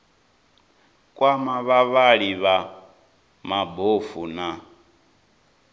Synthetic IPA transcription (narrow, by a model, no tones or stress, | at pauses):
kʼwamaβaβaɺiβa | mabofuna